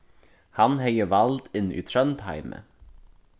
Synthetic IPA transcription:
hɑnheɪəʋɑld̪ɪnḭːt̪ʰɾœnd̪hæ̰ɪmə̰

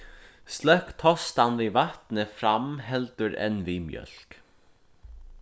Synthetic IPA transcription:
st̪lɛhkt̪ʰɔst̪anvivaht̪nɪfɾamɦɛlt̪ʏɾɛ̰nvimjœ̰l̥k

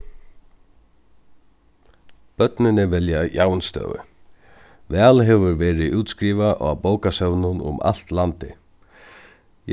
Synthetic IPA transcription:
b̥œt̪nɪnɪvɛljajaːwnst̪œ̰ːʋʏ̰ | vɛːlɦɛʋʏɾvɛːɾɪʔuːt̪skɾiːvaʔɔ̰boːwkasœwnʊnʊ̰ma̰l̥t̪lant̪ɪ̰ | j

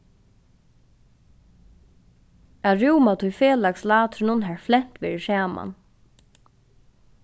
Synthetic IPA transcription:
aɾuːmat̪ʰʊjfeːlakslaːt̪ɾɪnʊnɦɛɹflɛn̥t̪ʋḛːɹɪsaːma̰n

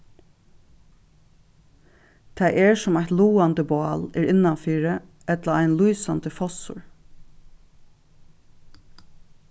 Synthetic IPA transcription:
t̪ʰæɪʔɛɹsɔmæht̪luːant̪əbʊɑːlɛːɾɪnːanfiːɹə | ɛt̪laæɪjnluːsant̪əfɔsʊ̰ɹ

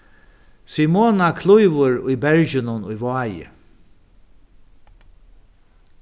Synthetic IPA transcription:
simoːnakʰlujʋʊɹʊjbɛɹd͡ʒɪnʊnʊjvɑːjɪ̰

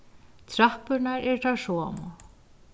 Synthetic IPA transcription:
t̪ʰɾahpʏɾnaɾɛɹt̪ʰasɔːmɔ

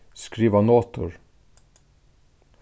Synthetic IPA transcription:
skɾiːʋɑnoːt̪ʰʊ̰ɹ

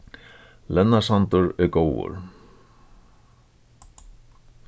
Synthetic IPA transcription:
lɛnːasant̪ʊɾɛɾkoːwʊ̰ɾ̥

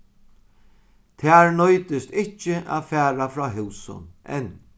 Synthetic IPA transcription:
t̪ʰɛːɹnɔjt̪ɪst̪ɪht͡ʃːɪʔa̰ːðfæːɾafɾɔːɦɪwsʊ̰nʔɛ̰n

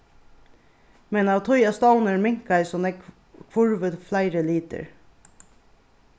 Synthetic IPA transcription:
mɛnɑːʋt̪ʰɔʏɑst̪ɑlnəɹmɪŋkæɪsɔnɛk | kʰʋʊɹʋəd̪flæɪɾəliːt̪ə̰ɾ

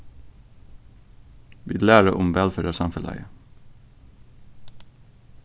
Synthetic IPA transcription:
ʋḭːlæːɹəʔʊmʋɛlfəɾəsɑmfəlʔæ̰ɪə

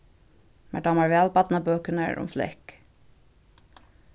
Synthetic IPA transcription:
mæɖɑːmɑɹʋeːɑlbɑt̪nɑbøːkənə̰ɹʊ̰mflɛ̰k

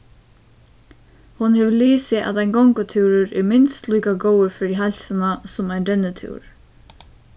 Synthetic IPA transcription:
hʊnɦɛʋɪliːsɪʔa̰ðaɪjnɡɔŋkʊt̪ʰiwɾʏɾɛɾmɪnst̪liːkaɡowəɾfɪɾɪɦalsɪnasʊmajndɛnːət̪ʰḭwɹ

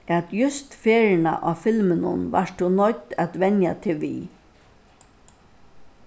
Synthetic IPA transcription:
æt̪jʊst̪feːɾɪna̰ʔaːfɪlmɪnʊ̰nva̰ʂt̪ʊnɔt̪ːæt̪ʋɛnja̰t̪ʰɪlʋḭ

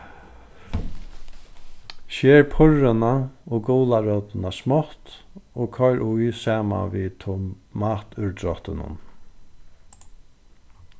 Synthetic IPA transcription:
ʃɛːɹpʰʊɹɪnaɔːɡɔːlaɾœt̪ɪnasmɔht̪ɔːkʰœjɾʔʊjsaːma̰vit̪ʰʊ | maːt̪ʏɹd̪ɾɔht̪ɪnʊ̰n

